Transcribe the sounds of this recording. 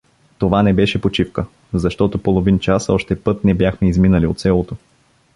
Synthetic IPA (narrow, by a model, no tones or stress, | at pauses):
t̪ovanɛbɛʃɛpot͡ʃifkə | zɐʃt̪ɔt̪opolˠovint͡ʃasɔʃt̪ɛpɤt̪̚nɛbjaxmɛizminəliot̪sɛlˠot̪o